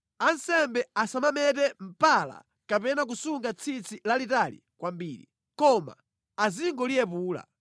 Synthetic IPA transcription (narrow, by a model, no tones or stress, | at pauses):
ansɛmbɛasamamɛtɛm̩pala̰ | kapɛnak̬usuŋɡat͡sʰit͡sʰilalitalḭkwambiːɾḭ | kɔma̰ | aziŋɡɔlijɛp̬uːla̰